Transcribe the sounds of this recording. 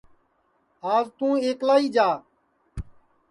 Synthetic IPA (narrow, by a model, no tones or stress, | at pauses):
aːzt̪ũːeːklaːiːd͡ʒaː